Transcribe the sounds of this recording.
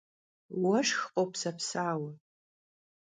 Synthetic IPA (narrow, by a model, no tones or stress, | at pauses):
wɐʂxqʼowpʰsɐpʰsaːwa